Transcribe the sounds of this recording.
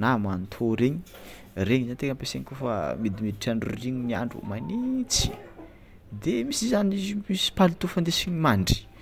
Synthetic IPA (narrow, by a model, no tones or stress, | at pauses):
namant̪ʰoɾeɲi̥ | reɲizant̪ekəmpeseɲkofa̰mid̪imid̪iʈ͡ʂaɳɖ͡ʐuriɲinia̰ɳɖ͡ʐṵmanit͡si̥̰ | d̪emisizanizimisi̥palit̪ufand̪esiɲimaɳɖ͡ʐi̥